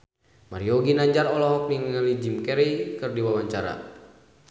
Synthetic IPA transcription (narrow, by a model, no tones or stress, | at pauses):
maɾiɔɡinaɲd͡ʒaɾɔlɔɦɔk̚niŋŋalid͡ʒimkɛɾikɨrdiwawaɲt͡ʃaɾa̰